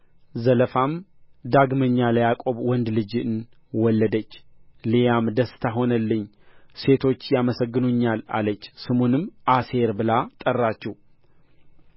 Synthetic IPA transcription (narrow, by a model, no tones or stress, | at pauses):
zələfamd̪aɡməɲːaləjakʼo̞βwɔnd̪lɨd͡ʒɨn | wɔlːəd̪ət͡ʃːlijamd̪əst̪ʰaɦo̞nəlːɨɲː | se̞t̪ʰo̞t͡ʃːjaməsəɡːɨnuɲːala̰lət͡ʃːsɨmonɨmase̞ɾbɨlat̪ʼərːat͡ʃːɛw